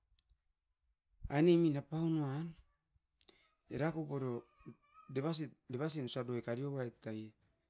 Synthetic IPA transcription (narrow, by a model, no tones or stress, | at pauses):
a̰eneminapaunoan | ḛɾakoboɾo | deβasdeβas̬inusadoekaɾioβaetaje